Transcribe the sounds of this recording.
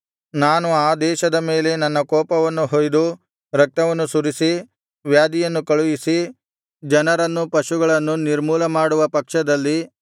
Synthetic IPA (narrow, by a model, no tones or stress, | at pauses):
naːnuaːd̪ɛːʃɐd̪ɐme̞ːle̞nɐnːɐkɔːpɐʋɐnːuɦojd̪u | ɾɐk̚t̪ɐʋɐnːusuɾisi | ʋjaːd̪ijɐnːukɐɭujisi | d͡ʒɐnɐɾɐnːupɐʃuɡɐɭɐnːuniɾmuːlɐmaːɽuʋɐpɐkʂɐd̪ɐlːi